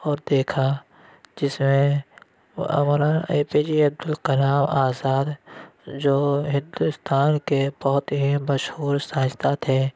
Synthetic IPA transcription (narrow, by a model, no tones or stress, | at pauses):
ɔːɾd̪eːkʰa | d͡ʒɪsmẽ | mɾaeːpiːd͡ʒiɐb̚d̪ʊlkəlaːmaːzaːd̪d͡ʒoːɦɪ̃nd̪ʊst̪ʰaːnkebɔɦʊt̪ɦimɐʃhuːɾsaːd͡ʒt̪aːt̪ʰɛː